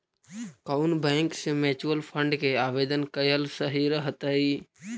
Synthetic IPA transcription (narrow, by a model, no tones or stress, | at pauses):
kaʊnbɛ̃ːŋksemeːt͡ʃuəlpʰə̃ɳɖkeaːʋeːd̪ənkəjəlsəɦiɾəɦət̪əɦi